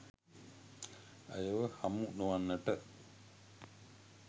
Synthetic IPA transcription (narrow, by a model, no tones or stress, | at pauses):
a̰jəwəhamuʔnuwanːəʈəʔ